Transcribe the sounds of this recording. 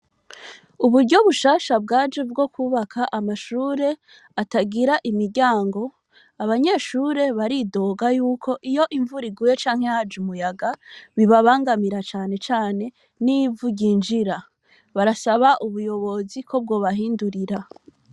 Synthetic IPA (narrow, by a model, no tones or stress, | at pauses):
uβuɾɟo̞βuʃaːʃab̚ɡaːd͡ʒevɡo̞kuβakʰaʔamaʃuːɾe̞ | ataɡiɾaʔimiɾɟaːŋɡo̞ | aβaɲe̞ʃuːɾe̞βaɾido̞ːɡajuːkʰo̞ʔijo̞ʔiɱvuɾiɡuːje̞t͡ʃaːŋ̥he̞had͡ʒumujaɡaβiβaβaːŋɡamiɾat͡ʃaːne̞t͡ʃaːne̞ | nivuɟɟiːnd͡ʒiɾa | βaɾasaβaʔuβujo̞βo̞zikʰo̞b̚ɡo̞ːβaɦiːnduɾiɾa